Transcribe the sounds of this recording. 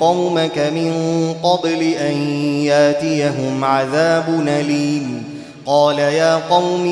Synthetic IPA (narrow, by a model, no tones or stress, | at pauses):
ɑwmakamɪnqɑblɪʔanjaʔt̪ɪjaɦʊmʕaðaːbʊnaliːm | qɑːlajaːqɑwm